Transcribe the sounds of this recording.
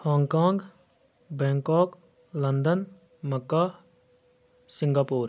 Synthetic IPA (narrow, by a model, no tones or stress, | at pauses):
hɔːŋkaːŋɡ | bɛ̃ːŋkɔːk | lənd̪ən | məkːaː | sɪŋɡaːpuːɾ